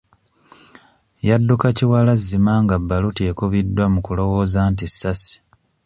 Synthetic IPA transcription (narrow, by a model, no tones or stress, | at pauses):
jadːukaciwalazːimaːŋɡabːalute̞ːkuβidːwamukulo̞wo̞zaːntisːasi̥